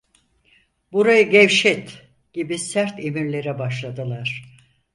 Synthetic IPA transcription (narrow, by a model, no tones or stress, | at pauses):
buɾajɯɟɛvʃɛt̪ | ɟ̥ibisæɾt̪ʰe̞miɾlʲe̞ɾɛbaʃlˠad̪ɯlˠaɾ̥